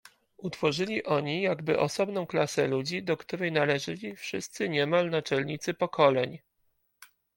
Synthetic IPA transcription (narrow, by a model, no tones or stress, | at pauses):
ut̪fɔʐɘlʲiʔɔɲijaɡbɘ̰ʔɔsɔbn̪ɔ̃w̃klasɛlud͡ʑid̪ɔkt̪uɾɛjnalɛʐɘlʲifʂɘst̪sɘɲɛmalnat͡ʂɛlɲit̪sɘpɔkʰɔlɛɲ